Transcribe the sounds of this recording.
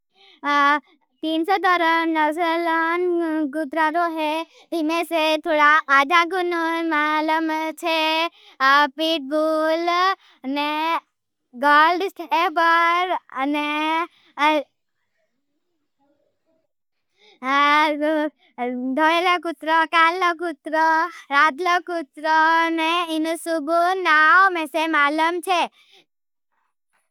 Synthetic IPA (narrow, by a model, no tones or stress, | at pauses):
t̪iːnsɔd̪ɔɾənəsəlanɡud̪ɾaɾoɦe | d̪imeset̪ʰoɽaad̪ʱaɡununmaləmt͡ʃʰe | piʈ̚bul | ne | ɡɔlɖsʈʰebəɾne | d̪ʱoelɔkut̪ɾɔkalːɔkut̪ɾɔɾad̪lɔkut̪ɾɔneinusubʱunawmẽsemaləmt͡ʃʰe